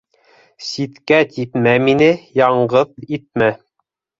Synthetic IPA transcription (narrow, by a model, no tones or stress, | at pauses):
sit̪kæt̪it̪mæminɘjɑɴɢɤðit̪̚mæ